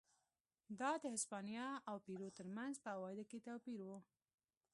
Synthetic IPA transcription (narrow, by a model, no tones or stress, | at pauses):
d̪ɑd̪əhɪspɑnjɑawpiɾot̪əɾmanzpəawɑjɪd̪aket̪awpiɾwu